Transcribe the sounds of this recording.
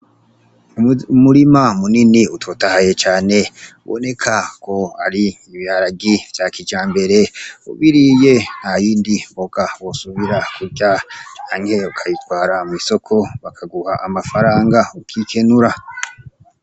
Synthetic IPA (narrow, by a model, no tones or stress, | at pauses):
muɾimamuniniutwotahaje̞t͡ʃaːne̞ṵβo̰ne̞kʰakʰo̞aɾiː | βiaɾaɡivjakid͡ʒaːmbe̞ɾe̞ṵβiɾije̞n̥hajiːndimboɡawosuβiɾakuɾɟaaːŋhe̞ukʰajitwaːɾamwiso̞kʰo̞βakʰaɡuhaʔamafaɾaːŋɡaukʰike̞nuɾa